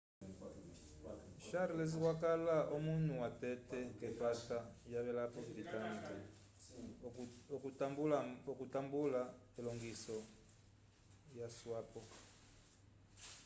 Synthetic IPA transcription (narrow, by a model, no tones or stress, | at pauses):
ʃaɾilɛzikwakalaʔɔmunuwatɛtɛkɛpatajaβɛlapɔviditankɛ | ɔkutambula | ɛlɔŋɡisɔ | jaswapɔ